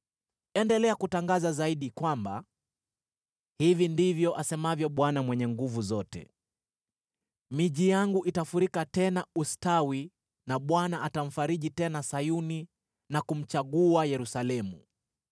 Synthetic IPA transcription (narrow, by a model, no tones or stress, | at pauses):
ɛndɛlɛakutaŋɡazazaiɗikwamba̰ | hivindivjɔʔasɛmavjɔɓwanamwɛɲɛŋɡuvuzɔtɛ̰ | miʄijaŋɡuʔitafuɾikatɛnaustawi | naɓwanaʔatam̩faɾiʄitɛnasajuni | nakum̩t͡ʃaɠuajɛɾusalɛmu